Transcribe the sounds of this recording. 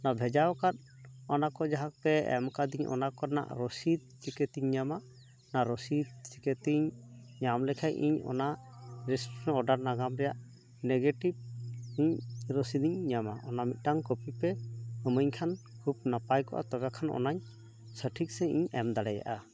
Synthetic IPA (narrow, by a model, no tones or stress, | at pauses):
nabʱɛd͡ʒawkat | ɔnakɔd͡ʒaɦak̚pɛɛ̰mkad̪iɲʔɔ̰nakɔna̰ʔɾosid̪̚t͡ʃiket̪iɲɲama | naɾɔsid̪̚t͡ʃi̥ket̪iɲɲamlɛkʰajʔḭɲɔ̰naɾisisɔnɔɖaɾnaɡamɾɛjaʔ | neɡeʈib̚iɲɾɔsid̪iɲɲamaʔɔnamit̪̚ˀʈaŋkopipɛəməɲkʰan | kʰub̚napajkɔ̰ʔa̰t̪ɔbjakʰanɔ̰naɲ | səʈʰik̚sɛiɲɛmd̪alɛja̰ʔa